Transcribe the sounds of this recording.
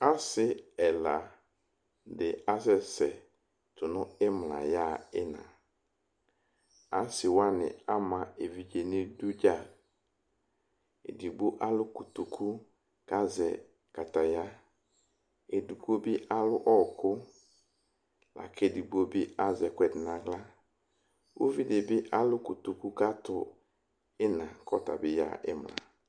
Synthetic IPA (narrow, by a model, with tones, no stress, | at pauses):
a˦sɪ˦ɛ˨la˨ | dɪ˨a˦zɛ˨sɛ˨ | tʰʊ˨nʊ̃˦ɪ˦m˨la̰˨ja˦˨ɪ˦nã̰˨ | a˦sɪ˨wa˦nɪ̰̃˨a˦mã˨e˨vi˨d͡ʒe˨nɪ̃˦du˦d͡ʒa˦˨ | ḛ˨di˨bʊ˦ʔa˦lʊ˦ku˨tu˨kʰu˦ | ka˦zɛ̰˨ | ka˨ta˨ja˦ | e˨di˨bu˦o˦bɪ˦ʔa˦lʊ˦ʔɔ˦˨kʊ˦ | la̰˨kʰe˦˨di˨bu˦o˦bi˦a˦zɛ˨kʷɛ˨dɪ˨nã˨ɡla˦ | wo˦vi˦dɪ˨bɪ˦ʔa˦lʊ˦ku˨tu˨ku˦ka˦tʊ˨ | ɪ˦nã˨kʰɔ˦ta̰˨bɪ˦ja̰˨ɪ̰˦m˨a̰˨